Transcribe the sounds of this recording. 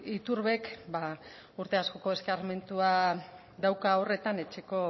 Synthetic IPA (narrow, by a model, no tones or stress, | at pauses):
it̪uɾβe̞kba | uɾt̪e̞asko̞ko̞e̞skaɾme̞nt̪ua | ðawkao̞re̞t̪ane̞t͡ʃe̞ko̞